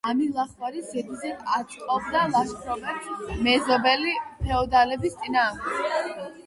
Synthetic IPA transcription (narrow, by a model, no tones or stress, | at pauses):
amilˠaχwaɾizɛd̪izɛat̪sʼqʼɔb̚d̪alˠaʃpʰɾɔbɛsmɛzɔbɛlipʰɛɔd̪alɛbist̪sʼinaːmd̪ɛɡ